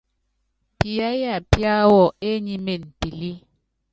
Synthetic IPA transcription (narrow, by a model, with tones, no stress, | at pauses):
pi˨a˦ja˦˨pja˦wɔ˨e˦ɲi˦me˨n˨pi˨li˦